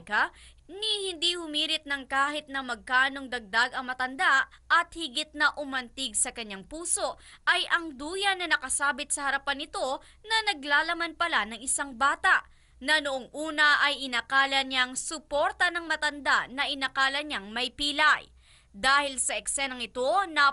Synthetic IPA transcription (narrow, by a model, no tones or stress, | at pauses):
kɐ | nihɪnd̪ihʊmiːɾɪt̪̚nɐŋkaːhɪt̪̚nɐmɐɡ̚kaːno̞ŋd̪ɐɡ̚d̪aɡɐŋmɐt̪ɐnd̪aʔɐt̪̚hɪɡɪt̪̚nɐʔʊmɐnt̪ɪɡ̚sɐkɐɲːaŋpuːso̞ʔʔɐjʔɐŋd̪uːjɐnɐnɐkɐsaːbɪt̪̚sɐhɐɾɐpanːɪt̪o̞ | nɐnɐɡlaːlɐmanpɐlanɐŋɪsaŋbaːt̪aʔ | nɐnoʔoŋʔuːnɐʔɐjʔɪnɐkaːlɐɲaŋsʊpo̞ɾt̪ɐnɐŋmɐt̪ɐnd̪aʔnɐʔɪnɐkaːlɐɲaŋmɐjpiːlɐj | d̪aːhɪlsɐʔɛksɛnɐŋɪt̪o̞nɐ